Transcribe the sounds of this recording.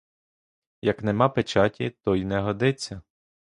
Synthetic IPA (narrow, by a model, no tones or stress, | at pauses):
jɐknemɑpet͡ʃɑtʲit̪ɔjnɛɦɔd̪ɪt͡sʲːɐ